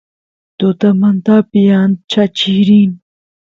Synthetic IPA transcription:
t̪ʊt̪amant̪apijant͡ʃat͡ʃiɾin

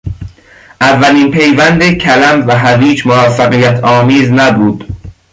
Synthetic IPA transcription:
ʔævːæliːnpʰe̞jvænd̪ecʰælæmvæɦæviːd͡ʒmovɒːfæɣijæt̪ʰɒːmiːznæbuːd̪̥

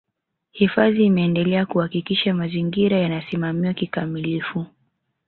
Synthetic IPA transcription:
hifaðiːmɛːndɛlɛakuhakikiʃamaziŋɡiɾajanasimamiwakikamilifu

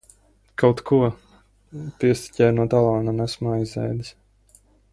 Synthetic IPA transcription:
kawt̪kʰuɔ | t̪iɛst̪ʲi̥cʲɛjnuɔt̪alˠɑːnanæsmaajzɛ̰jd̪is

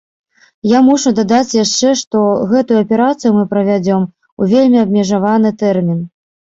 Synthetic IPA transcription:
jamuʂud̪ad̪at͡sʲjaʂt͡ʂɛʂt̪ɔɣɛt̪ujuɐpʲɛɾat̪sɨjumɨpɾɐvʲad͡zʲɔm | uvʲelʲmʲiɐbmʲɛʐavanɨt̪ɛrmʲin

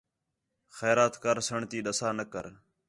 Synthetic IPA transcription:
xɛːɾaːt̪kəɾsəɳt̪iːɗəsaːnəkə̰ɾ

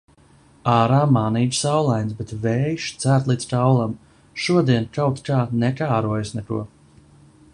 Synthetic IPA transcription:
aːɾaːmaːniːd͡ʒ̪sawlˠajnsbɛt̪vɛːjʃt̪sæɾt̪lˠiːd̪st̪awlˠam | ʃuɔd̪iɛnkawt̪kaːnɛkaːɾuɔjsnɛkṵɔ

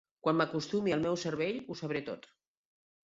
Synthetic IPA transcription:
kwanməkust̪umiəlˠmɛwsəɾβeʎusəβ̞ɾet̪o̰t̪

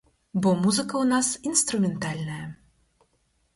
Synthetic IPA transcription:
bɔmuzɨkɐwnasinst̪ɾumʲɛnt̪alʲnɐjɐ

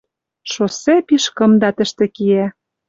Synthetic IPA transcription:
ʃosepiʃkɤ̆md̪ɑt̪ə̆ʃt̪ĕkijæ

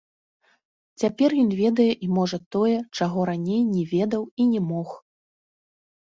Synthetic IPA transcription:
t͡sʲapʲɛrjɔnvʲɛd̪ɐjɛʔimɔʐɐt̪ɔjɛt͡ʂaɣɔɾanʲejnʲɛvʲɛd̪ɐwinʲɛmɔx

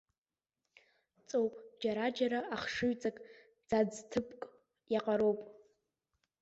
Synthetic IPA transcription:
t͡sʼowpʼd͡ʒaɾad͡ʒaɾaaχʂɨɥt͡sʼakʼ | d͡zad͡ztʰɨpʰʼkʼ | jaqʼaɾo̞wpʼ

